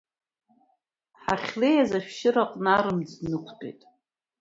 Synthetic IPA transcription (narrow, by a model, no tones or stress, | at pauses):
ħaχʲle̞jazaʃᶣʃɪɾaqʼnaɾɨmd͡znɨkʷʰtʰʼejtʼ